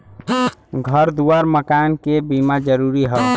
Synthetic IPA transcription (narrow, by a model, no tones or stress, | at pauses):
ɡʱəɾd̪uaɾməkankebimad͡ʒəɾuɾiɦə